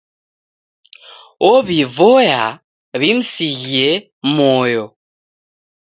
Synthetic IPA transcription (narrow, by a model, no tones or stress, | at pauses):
oβivoja | βim̩siɣe | mojɔ